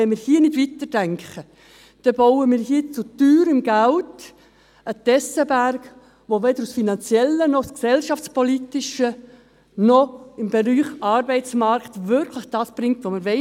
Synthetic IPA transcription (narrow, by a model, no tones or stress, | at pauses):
ɛnmɪːɾhiːənɪdʋit̪əd̥æŋkχə | d̥ɛbɔwəmɪːɾhiət͡sʊtyːɾɪmɡælt | ət̪ɛsəbærɡ | ʋoʋɛdəɾusfinɑnt͡sjɛlːənɔsksɛlʃɑft͡spɔlitɪʃə | nɔɪmb̥eɾyːχɑɾbɛɪt͡smɑɾkt̪ʋʏɾkʰləχd̥ɑːsb̥ɾɪŋtʋomɪːɾʋɛ